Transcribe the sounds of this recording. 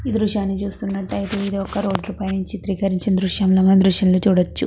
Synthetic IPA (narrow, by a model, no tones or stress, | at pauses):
iːd̪ɾuʂaːnːit͡ʃuːst̪unːɐʈːɐjt̪eid̪iɔkːɐɾo̞ːɖɾuːpaːjɐnuɲt͡ʃit̪ɾiːkɐɾiɲt͡ʃind̪ɾuʃjɐmloːmɐnd̪ɾuʂjɐmloːt͡ʃuːɽɐt͡ʃːṵ